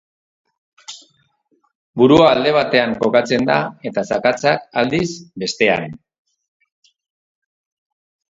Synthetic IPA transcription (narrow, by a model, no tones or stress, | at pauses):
buɾuaːld̪e̞β̞at̪e̞aŋko̞kat͡se̞nd̪a̰e̞t̪asakat͡sakald̪isbe̞st̪e̞a̰n